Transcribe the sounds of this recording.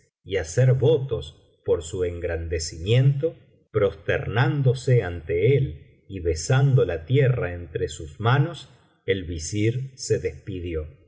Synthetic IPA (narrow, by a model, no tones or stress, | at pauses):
iaseɾβo̞t̪o̞s | poɾsue̞ŋɡɾand̪esimje̞nt̪o̞ | pɾo̞st̪ḛɾnand̪o̞seant̪eel | iβe̞sand̪o̞lat̪jeraent̪ɾesuzmano̞s | elβisiɾse̞ðespiðjo̞